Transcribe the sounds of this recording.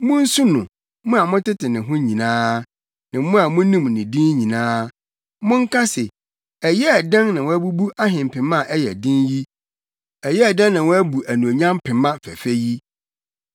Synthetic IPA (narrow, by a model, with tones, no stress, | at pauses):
mʊ̃˦n̩˦su˦nʊ̃˨ | mʊ̃˦a˨mʊ̃˦tɪ˦tɪ˨nɪ̃˨ɦʊ̃˦ɲĩ˨nãː˦ | nã˨˦mʊ̃˦a˨mʊ̃˦nĩ˦m˨nɪ̃˨dĩ˦nɲĩ˨nãː˦ | mʊ̃˦ŋ̩˦kʰa˦sɛ˨ | ɛ˨jɛ˦ɛ˨dã˦nnã˨wɔ̃˦æ˦bu˦bu˦ʔa˦ɦɪ̃˨m˨pʰɪ̃˨mã˦˨ʔɛ˦jɛ˨dɪ̃˦nji˦ | ɛ˨jɛ˦æ˨dã˦nnã˨wɔ̃˦æ˦bu˨ʔæ˨nũ˨o˨ɲã˦m˦pʰɪ̃˨mã˦fæ̰˨fæ˦ji˦